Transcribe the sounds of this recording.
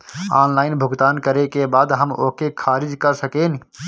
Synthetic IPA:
aːnlaːɪnbʱʊɡt̪aːnkəɾekeːbaːd̪ɦəmo̰ːkekʰaːɾɪd͡ʒkəɾsəkeːn

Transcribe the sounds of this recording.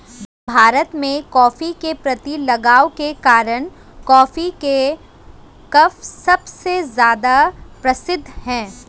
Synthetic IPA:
bʱaːɾət̪mẽkɔːfikepɾɐt̪ilɐɡaːokekaːɾəñ | kɔːfike | kɐfsɐbsezjaːd̪apɾɐsɪd̪ʱːhɛ̃ː

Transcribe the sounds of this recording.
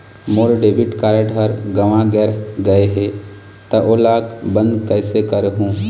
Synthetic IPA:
moːɾɖeːbɪʈkaːɾeɖɦɐɾɡɐʋãɡɛːɾɡɐeɦe | t̪ɐʔoːlaːkbə̃nd̪kəɪsekəɾɦũː

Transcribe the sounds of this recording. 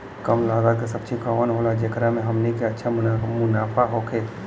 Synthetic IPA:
kəmlaːɡaːd̪̚kesɐb̚t͡ʃʰikaːʋənɦoːlad͡ʒekɾamẽɦɐmnikeɐtːʃʰamʊnaːfʰaɦoːkʰeː

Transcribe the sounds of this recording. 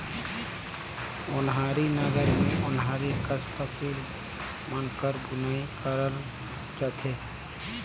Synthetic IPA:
ʊnɦaːɾinəɡəɾmẽʔʊnɦaːɾikəspʰəsiːl | mənkəɾɡʊnaːikəɾəɾ | t͡ʃət̪ʰeː

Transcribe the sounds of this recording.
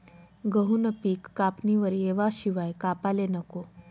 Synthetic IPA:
ɡəɦunəpiːkːapniʋəɾieʋaɕiʋajkapalenəko

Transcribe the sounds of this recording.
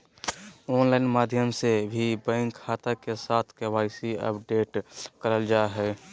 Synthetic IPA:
oːnlaːɪnmaːd̪ʱjəmsebʱibɛ̃ːŋkʰːaːt̪akesaːt̪ʰkewaːɪsiə̰pɖeːʈkəɾəld͡ʒaɦɛː

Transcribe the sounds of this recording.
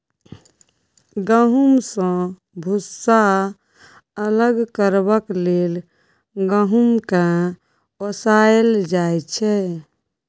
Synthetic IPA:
ɡəɦumsə̃ | bʱusa | ələɡkəɾbəklel | ɡəɦumkã | osaeld͡ʒajt͡ʃʰɛ

